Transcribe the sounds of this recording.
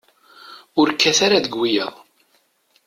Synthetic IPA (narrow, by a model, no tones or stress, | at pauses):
ʊɾkːæθaɾaðəɡwijæ̰ʁˤ